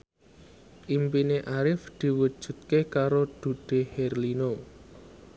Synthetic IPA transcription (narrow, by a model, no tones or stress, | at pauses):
ʔimpineʔaɾɪfd̪̥i̤wu̥ʒ̥ṳt̪̚kekaɾod̪̥ṳɖ̥e̤hɛrlino